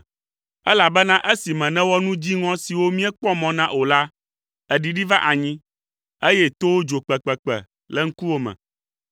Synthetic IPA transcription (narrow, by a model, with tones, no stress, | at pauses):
ɛ˦la˨bɛ˦nã˦ʔe˦si˨mɛ̃˨nɛ̃˦wɔ˦nũ˦d͡ʑi˦ŋɔ̃˦si˨wo˦mĩ˦ɛ˦k͡pɔ˦mɔ̃˨nã˦ʔo˨la˦ | ɛ˨ɖi˨ɖi˦va˦ʔa˨ɲĩ˦ | e˦jɛ˦t̪o˦wo˦d͡ʒo˨k͡pɛ˨k͡pɛ˨k͡pɛ̰˨ | lɛ˦ŋ̩˦ku˦wo˦mɛ̰̃˨